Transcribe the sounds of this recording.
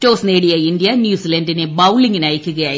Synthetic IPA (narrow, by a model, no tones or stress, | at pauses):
tːoːsneːɽijɐindijɐnjuːsilɐndinebɐwliŋɡinaːjikʲːuɣɐjaː